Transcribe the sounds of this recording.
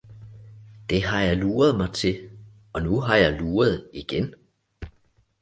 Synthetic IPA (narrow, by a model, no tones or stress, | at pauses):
d̥e̝ɦɑ̈jɑ̈ɪluːɐð̞ˠmɑ̈ɪt͡sʰe̝ | ɒ̽nuɦɑ̈jɑ̈ɪluːɐð̞ˠiɡ̥en